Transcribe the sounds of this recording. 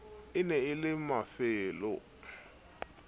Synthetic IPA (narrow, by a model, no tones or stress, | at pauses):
ɪnɛɪlɪmafɪːlʊ̰